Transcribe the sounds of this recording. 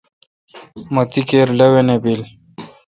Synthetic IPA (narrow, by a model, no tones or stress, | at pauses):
mɐt̪ikeːɾlewenebil